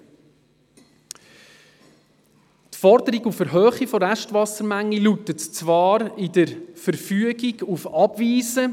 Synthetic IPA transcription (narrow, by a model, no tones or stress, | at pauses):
tfɔɾdəɾiɡufəɾɦøːχifɔɾæʃtʋɑsəɾmæŋlilutətt͡svɑːɾɪdəɾfəɾfyəɡiɡufɑb̥viːzə